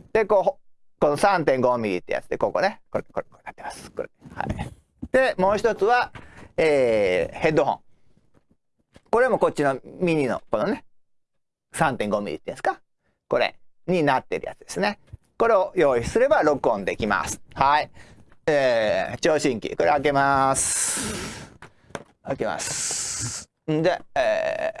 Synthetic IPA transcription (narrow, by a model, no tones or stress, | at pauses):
d̪̥e̞koː | ko̞nosãnt̪̬ẽ̞ŋɡo̞mʲiɾʲḭt̪ːḛj̰a̰t͡sɨ̥d̪ekoko̞nekoekokoenḁt̪ːemasɨ̥koɾeha̰i | d̪̥e̞mo̞ːçit̪o̞t͡sɨβaeːhe̞d̪ːo̞ɦõ̰ŋ | koɾe̞mo̞ko̞t͡ɕːino̞mʲiɲ̟ino̞̰konone̞ | sãnt̪ẽŋɡo̞mʲḭɾʲḭt̪ːḛ̃sɨ̥ka | ko̞ɾḛ | ɲ̟inat̪ːe̞ɾɯ̟ja̰t͡sɨd̪e̞sɨne | ko̞ɾe̞ojo̞ːissɨɾe̞baɾo̞kɯõnd̪e̞kʲima̰sɨ̥haiet͡ɕoːɕĩŋkʲḭko̞ɾeak̬e̞masɨ̥ | akema̰s | d̪e̞eː